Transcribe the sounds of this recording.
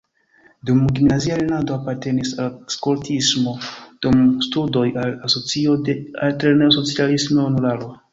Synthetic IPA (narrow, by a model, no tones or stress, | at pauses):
dumɡimnazialenado̞apaɾte̞nisalskoɾtʰismo̞d̥umstudo̞jalasot͡siodealteɾneoso̞t͡sialismoonulalo